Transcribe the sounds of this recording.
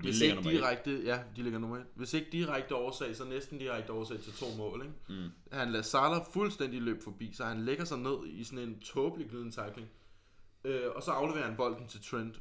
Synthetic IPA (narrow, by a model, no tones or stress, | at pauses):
ʋe̝seɡdiʁaɡ̥̚d̥əjæd̥ile̝ɡ̥ɐnoːmeʋe̝se̝ɡ̥̚d̥iʁaɡ̥̚d̥əɒʊɐsɛ̰ɪ̰sɒ̽nesd̥n̩d̥iʁaɡ̥̚d̥əɒːsɛ̰ɪt͡sʰe̝lt͡sʰo̝̰ːmɔ̰̽ːleɡ̥ | hænlæsɑ̈lɐfulsd̥en̰d̥ilø̰ːb̥fɒ̽b̥ḭːsɒ̽hænleɡ̥ɐsɑ̈ɪne̝ð̞̰ˠisɒ̽ne̝nt͡sʰɔ̽ːb̥liɡ̥liðˠn̩t͡sʰɑ̈ɪɡ̥le̝ŋ | øɒ̽sɒ̽ɑ̈ʊleʋe̝ːɐhænb̥ɒ̽l̰d̥n̩t͡sʰe̝lt͡sʰʁend̥